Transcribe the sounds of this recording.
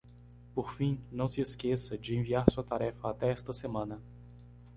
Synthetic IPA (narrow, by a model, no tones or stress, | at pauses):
poɾfĩnɐ̃w̃sɪeskesɐd͡ʒɪẽviaɾsuɐt̪aɾɛfɐat̪ɛɛst̪ɐsemɐ̃nɐ